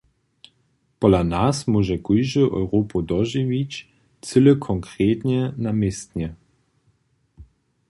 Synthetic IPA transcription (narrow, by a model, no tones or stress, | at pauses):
pɔlanasmuʒɛkujʒəʔɔ̰wɾopud̪ɔʒivit͡ɕ | t͡sɨləkʰɔŋkɾeːt̪ɲɛnamest̪ɲɛ